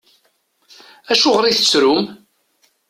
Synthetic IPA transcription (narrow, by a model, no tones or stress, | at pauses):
æʃʊʁɾiθət͡sːɾʊm